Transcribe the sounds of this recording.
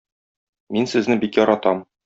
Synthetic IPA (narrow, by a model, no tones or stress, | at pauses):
minsɘ̆znɘbikjɒɾɑt̪ɑm